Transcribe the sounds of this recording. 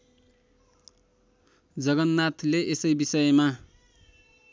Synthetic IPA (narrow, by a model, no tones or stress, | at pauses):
d͡zʌɡʌnːat̪ʰleʔesʌjbisʌjma